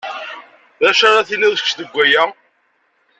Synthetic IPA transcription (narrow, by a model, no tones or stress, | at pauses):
ðæʃaɾˤaθilæðksðəɡʷːæjæ